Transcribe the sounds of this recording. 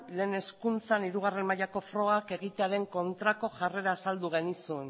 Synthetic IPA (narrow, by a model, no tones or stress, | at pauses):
le̞ːne̞skunt͡saniɾuɣ̞are̞nmajako̞fɾo̞ake̞ɣit̪eaɾe̞ŋko̞nt̪ɾako̞ʝare̞ɾaːsald̪uɣ̞e̞nisuen